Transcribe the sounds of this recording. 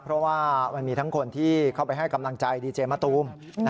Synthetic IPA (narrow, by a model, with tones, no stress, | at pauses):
pʰɾɔ˦˥waː˥˩ma˧nmiː˧t̪ʰa˦˥ŋkʰo˧nt̪ʰiː˥˩kʰa˥˩wpa˧jɦa˥˩jka˧mla˧ŋt͡ɕa˧jdiː˧t͡ɕeː˧ma˦˥˩t̪uː˧˥m˦